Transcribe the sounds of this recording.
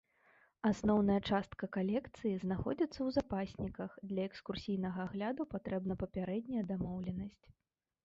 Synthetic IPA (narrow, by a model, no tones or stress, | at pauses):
asnɔwnɐjɐt͡ʂast̪̚kɐkalʲɛkt̪sɨjiznaxɔ̰d͡zʲit̪sːɐwzapasʲnʲikɐxd̪lʲɐɛkskursʲijn̪ɐɣɐːɣlʲad̪upat̪ɾɛbn̪ɐpɐpʲaɾɛd̪ʲnʲɐjɐd̪amɔwlʲɛnɐsʲt͡sʲ